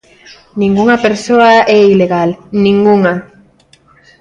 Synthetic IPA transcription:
nĩŋɡuŋapeɾsoaɛileɣalnĩŋɡuŋa

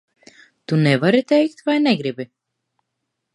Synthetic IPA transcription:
t̪unɛvaɾit̪ʲɛjkt̪vajnɛɡɾibi

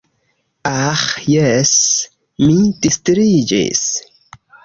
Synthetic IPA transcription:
axjɛs | mid̥istɾid͡ʒḭs

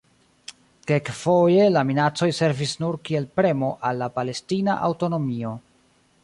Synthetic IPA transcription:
ke̞kfo̞je̞laminat͡so̞jse̞ɾvisnuɾkie̞lpɾe̞mo̞ʔalːapale̞stina̰ʔa̰wto̞no̞mio̞

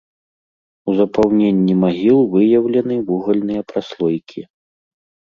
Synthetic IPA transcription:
uzɐpawnʲenʲːimaɣʲilˠvɨjɐwlʲɐnɨvuɣɐlʲnɨjɐpɾaslˠɔjkʲʰi

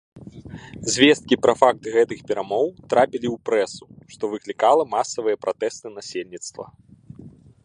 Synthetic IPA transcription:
zʲvʲɛst̪̚kʲipɾɐfak̚t̪ɣɛt̪ɨxpʲɛɾamɔwt̪ɾapʲilʲiwpɾɛsuʂt̪ɔvɨklʲikalˠɐmasɐvɨjɐpɾat̪ɛst̪ɨnasʲelʲnʲit̪st̪vɐ̰

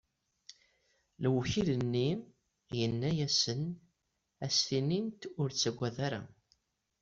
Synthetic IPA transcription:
lwçilənːi | jənːæjæsən | æsθinint̪ʊɾt͡sːæɡʷːæðæɾæ̰

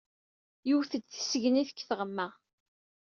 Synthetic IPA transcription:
juwθəd̪θə̥səʝniθə̥kːθʁəmːəʁ

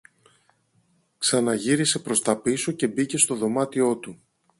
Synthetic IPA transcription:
ksɐnɐʝiɾise̞pɾo̞st̪ɐpisoce̞bice̞st̪o̞ðo̞mɐt̪io̞t̪u

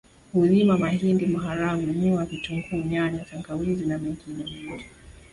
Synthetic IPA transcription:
huzimamahindimaɦaɾaŋumuavituŋɡuːɲaɲataŋɡawizinamɛŋɡinɛmɛdi

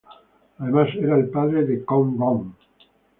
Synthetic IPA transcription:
aðemaseɾaelpaðɾeðekoŋɡõŋ

